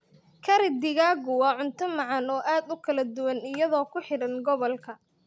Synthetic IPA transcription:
kʰɐɾɪd̪ɪɣaːɣʊwɑʕʊnt̪ʰɐmɑʕɑnɔːʔaːd̪ʊkʰɐlɐd̪ʊwɐnɪjɐðɔːkʰʊħɪɽɐnɡɔβɔlkʰɐ

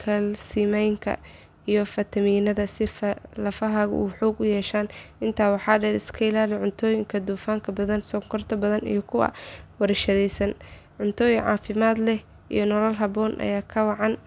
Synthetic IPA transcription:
kʰɐlsiːmɛjŋkʰɐ̰ | ijɞfɐt̪ʰɐmiːnɐðɐsɪflɐfɐɦɐɣṵːħuːɡʊjɛːʃaːnɪnt̪ʰaːwɑħɑːɖɛɾɪskʰɐɪlaːlɪʕʊnt̪ʰɔːjɪŋkʰɐd̪uːfaːŋkʰɐbɐðɐnsɔŋkʰɔrt̪ʰɐbɐðɐnḭjɞkʰʊwɐ̰wɐɾɛʃɐðɛjsɐn | ʕʊnt̪ʰɔːjɪŋʕɑ̰ːfɪmaːd̪lɛh | ḭjɞnɔlɐlɦɐbɔːnʔɐ̰jaːkʰɐwɑʕɑn

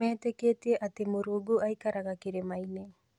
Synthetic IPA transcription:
eːteketieʔatemoɾuɡoajkaɾaɡakiɾemajne

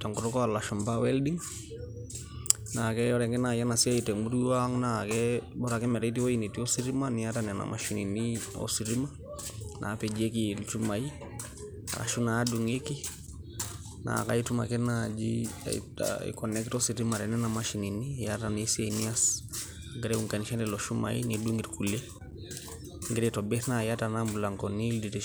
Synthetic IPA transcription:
taŋɡuɾɔkɔalaʃumbawɛldiŋ | nakɛɔɾɛŋɡɛnajanasiaitɛmuɾiwaŋnakɛbɔɾakɛmɛɾait̬iwoinitiosiɾimaniatanɛna̰ma̰ʃininio̰siɾima | nʔa̰ped͡ʒiek̬ilt͡ʃumai | a̰la̰ʃunaːduŋeki | na̰ka̰ituma̰kɛnad͡ʒḭ | ḭkɔnɛktɔsiɾimaɾɛnɛnamaʃininijatanesianias | ŋɡɛɾɛuŋkaniʃanɛlɔʃuma̰ḭniduŋɡiɾkulɛ | ŋɡɛɾɛtɔbɛθnajatanambulaŋkɔnilditi

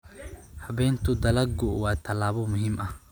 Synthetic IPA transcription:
hɐβɛːnt̪ʰʊd̪ɐlɐɡʊwɑːt̪ʰɐlaːβɔmʊɦiːmʔɐh

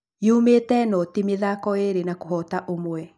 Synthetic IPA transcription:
jeumetɛnɔtimeðakɔeɾenakoɦɔtaʔomwɛ

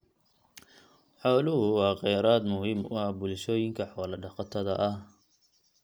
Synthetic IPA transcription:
ħɔːlʊɦʊwɑːqɑjɾaːd̪mʊhiːmʊ̰hɐbʊlʃɔːjɪŋkʰɐħɔːlɐɖɑqɑt̪ʰɐðɐʔɐh

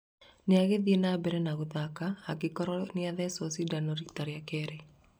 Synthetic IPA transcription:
neaɣeðienabɛɾɛnaɣoðakaːkekɔɾɔneaðɛsɔsidanɔɾiktaɾeakɛɾe

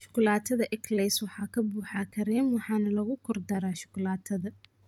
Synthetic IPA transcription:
ʃʊ̥kʰʊlaːt̪ʰɐðɐʔɛkʰlɛswɑħɑːkʰɐbuːħɑːkʰɐɾɛːmwɑħɑːnɐlɐɣʊkʰɔrd̪ɐɾaːʃʊ̥kʰʊlaːt̪ʰɐðɐ

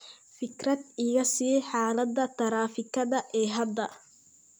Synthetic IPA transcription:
fɪkɾɐd̪ɪɣɐsiːħaːlɐd̪ːɐt̪ɐɾaːfɪkːɐd̪ɐʔɛːɦɐd̪ːɐ

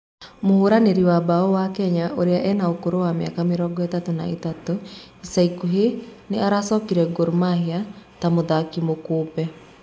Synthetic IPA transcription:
mohoɾaneɾiwabaɔwakɛɲaʔoɾeaʔɛnaokoɾowameakameɾɔɡɔetatona̰etatoisaikuɦeneaɾasɔːkiɾɛɡoɾmahiatamoðakimokoːpɛ

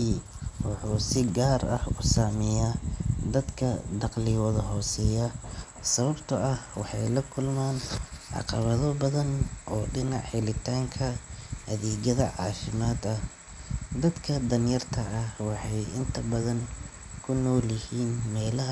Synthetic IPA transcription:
wɑħuːsɪɡaːrɐ̰hʊsaːmɪjad̪ɐd̪kʰɐd̪ɑqlɪwɔðɐɦɔːsɛːjɐ | sɐβɐbt̪ʰɐɐhwɑħɑjlɐkʰʊlmaːnʕɑ̰qɑβɐðɔbɐðɐnʔɔːɖɪnɑʕħɪlɪt̪ʰaːŋkʰɐhɐðɛːɣɐðɐʕɑ̰ːfɪmaːd̪ɐh | d̪ɐd̪kʰɐd̪ɐnjɐrt̪ʰɐːhwɑħɑjɪnt̪ʰɐbɐðɐŋ | kʰʊnɔːljɪhiːnmɛːlɐɦ

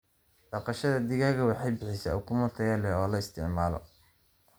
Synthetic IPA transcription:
ɖ̥ɑqɑʃɐðɐd̪ɪɣaːɣɐwɑħɑjbɪħɪsa̰ʊkʰʊmʊrt̪ʰɐjɐlɛɔːlɐɪst̪ʰɪʕmaːlɔ̰

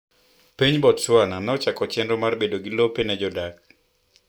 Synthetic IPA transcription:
piɲbɔtswananɛɔt͡ʃakɔt͡ʃɛndɔmarbedoɡilopenɛd͡ʒɔdak̚

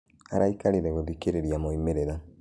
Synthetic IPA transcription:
aɾaikaɾiɾeɣoðikeɾeɾijamoimeɾeɾa

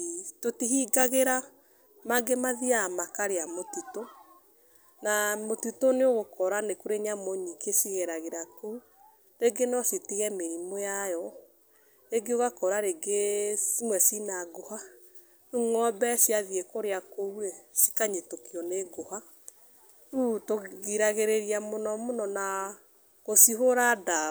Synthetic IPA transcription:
totiɦiɡaɣeɾa | maɡemaðiamakaɾeamotuto | namotutoneoɣokɔɾanekuɾeɲamoɲikesiɣeɾaɣeɾakou | ɾeɡenɔsitiɣɛmeɾimojajɔ | eɡeoɣakɔɾaɾeɡeimwɛsinaɡoha | uŋɔbɛsiaðiekoɾeakouɾesi̥kaɲetokiɔneɡoha | utoɣiɾaɣeɾeɾiamonɔmonɔna | ɣosiɦoɾada

